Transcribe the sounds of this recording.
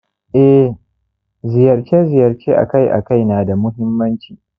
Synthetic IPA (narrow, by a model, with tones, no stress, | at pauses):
ʔɛ˦ | zɪ˨jɐ˨ɾt͡ʃeː˦zɪ˨jɐ˨ɾt͡ʃeː˦ʔa̰˨ka˦jʔa̰˨ka˦˨jnaː˨da˨mʊ˦ɦɪ˦mːɐ˦nt͡ʃiː˨